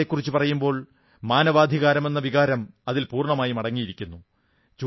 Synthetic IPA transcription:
ekːurit͡ɕːupɐrɐjumbo̞ːɭ | maːnɐʋaːd̪ʱiɣaːɾɐme̞nːɐʋiɣaːɾɐmɐðilpuːrɳɐmaːjimɐɽɐŋːijiɾikʲːunːu | t͡ɕu

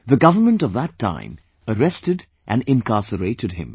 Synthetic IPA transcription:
ðɨɡʌvə˞mə̃ntʌvðətʰːã̰ɪ̃m | əɹɛstɨd | ʔæ̃nɪ̃nkʰɑsəɾeɪɾɨd̚ɪ̰̃m

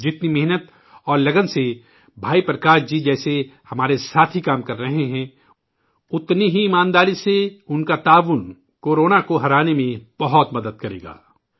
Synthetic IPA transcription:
d͡ʒɪt̪nimɛɦnət̪ | ɔːɾlɐɡənse | bʱaːipɾɐkaːɾd͡ʒid͡ʒɛːsehɐmaːɾesaːt̪ʰɦikaːmkɐɾːɐɦẽɦɛ̃ | ʊt̪niɦiːmãːnd̪aːɾiseʊnkat̪aːʋʊn | koːɾoːnakoɦɐɾaːnemẽb̥ɐɦɔt̪mɐd̪əd̪̚kɐɾḛːɡa̰ː

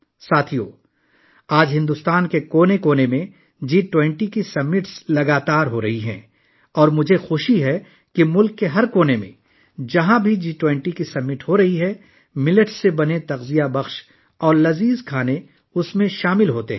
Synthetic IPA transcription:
saːt̪ʰijo̰ː | aːd͡ʒɦɪ̃nd̪ʊst̪aːnkekoːnekoːnemẽ | d͡ʒiːʈwɛ̃ɳʈikisɐmːɪʈslɐɡaːt̪aːɾɦoɾɐɦiɦɛ̰̃ː | ɔːɾmʊd͡ʒʱexoːʃiɦɛ | kimʊlkːeɦɐɾkoːnemḛ̃ | d͡ʒɐɦãbʱid͡ʒiːʈwɛ̃ɳʈikisɐmːɪʈɦoɾɐɦiɦɛ | mɪləʈsebɐnet̪ɐɣzijabɐxʃ | ɔːɾlɐziːzkʰaːne | ʊsmẽʃaːmɪlɦoːt̪eɦɛ̃

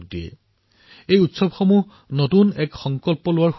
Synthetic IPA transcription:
k̚dijɛ̰ | ejutsɔbxomu | notunɛkxɔŋkɔlpɔlʊwaɹx

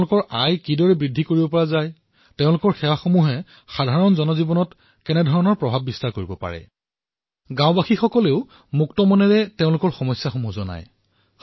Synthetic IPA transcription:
lʊkɔɹajkidɔɹɛbɹidʱːikoɹibɔpɔɹazaj | teʊ̃lʊkɔɹxɛwaxomuɦɛ | xadʱaɹɔnzɔnɔzibɔnɔt | kɛnɛdʱɔɹɔnɔɹpɹɔbʱab̚ːistaɹkoɹibɔpa̰ɹɛ̰ | ɡãʊ̃baxixɔkɔleʊ | muktɔmɔnɛɹɛteʊ̃lʊkɔɹxɔmɔjsjaxomuɦzɔna̰j

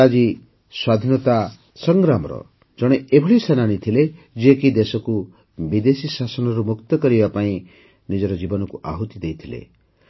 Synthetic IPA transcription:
ad͡ʒi | swad̪ʱinɔt̪a | sɔŋɡɾamɔɾɔ̰ | d͡ʒɔɽ̃eʔebʱɔɭisananit̪ʰile | d͡ʒekid̪esɔku | bid̪esisasɔnɔɾumukt̪ɔkɔɾibapaĩ | nid͡ʒɔɾɔd͡ʒibɔnɔkuʔa̰ɦut̪id̪ejt̪ʰilḛ

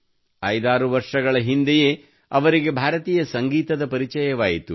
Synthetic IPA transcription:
ɐjd̪aːɾuʋɐɾʂɐɡɐɭɐɦind̪ejeː | ɐʋɐɾiɡe̞bʱaːɾɐt̪iːjɐsɐŋɡiːt̪ɐd̪ɐpɐɾit͡ʃɐjɐʋaːjit̪u

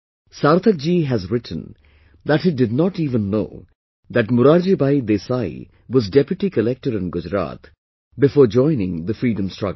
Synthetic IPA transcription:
saɾt̪ʰək̚d͡ʒiɦæzɾɪʈʰə̃n̩ | d̪æʈhɪɖɪd̚nɔʈiːvə̃nːo̰ː | d̪æʈmʊɾaːɾd͡ʒibajd̪esajḭ | wɔzɖɛpjʊʈikəlɛk̚ʈəɾɪ̃nɡʊd͡ʒɾa̰t̪ | bɪfoːɾd͡ʒɔ̃ɪnɪ̃ŋd̪əfɾiːɖə̃msʈɹʌ̰ɡ

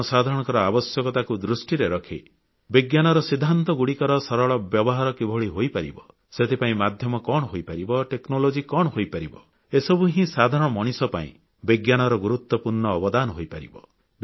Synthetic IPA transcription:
sad̪ʱaɾɔɽ̃ɔŋkɔɾɔabɔsjɔkɔt̪akud̪ɾusʈiɾeɾɔkʰḭ | biɡjanɔɾɔsid̪ʱːant̪ɔɡuɽikɔɾɔsɔɾɔɭɔbjɔbɔɦaɾɔkibʱɔɭiɦojpaɾḭbɔ | set̪ʰipaĩmad̪ʱjɔmɔkɔɽ̃ɔɦojpaɾibɔʈeknolod͡ʒikɔɽhojpaɾibɔ | esɔbuɦĩsad̪ʱaɾɔɽ̃ɔmɔɽ̃isɔpaḭ̃ | biɡjanɔɾɔɡuɾut̪wɔpuɾɳɔːbɔd̪anɔɦojpaɾḭbɔ | b

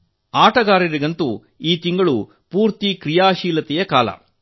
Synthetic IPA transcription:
aːʈɐɡaːɾiɾiɡɐnt̪u | iːt̪iŋɡɐɭu | puːɾt̪ikɾijaːʃiːlɐt̪ɛjɐkaːlɐ̰

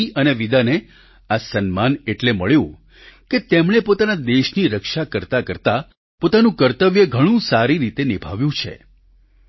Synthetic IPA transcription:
iʔəneʋid̪ane | asənmaneʈleməɭjũ | ket̪emɽ̃epot̪anad̪eʃniɾəkʃakəɾt̪akəɾt̪a | pot̪anũkəɾt̪əʋjəɡʱəɽ̃ũsaɾiɾit̪enibʱaʋjũt͡ʃʰḛ

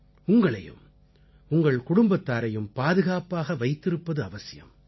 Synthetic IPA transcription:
ʊŋɡɐɭɐjɯ̰m | ʊŋɡɐɭkʊɽʊmbɐt̪ːaːɾɐjɯmpaːðɯɣaːpaːɣɐʋɐɪt̪ːɪɾɯpːɐðɯɐʋɐsɪjɐ̰m

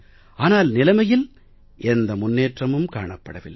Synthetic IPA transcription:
aːnaːlnɪlɐmɐjɪl | ʔɛnd̪ɐmʊnːeːʈrɐmɯmkaːɳɐpːɐɽɐʋɪlːɐ

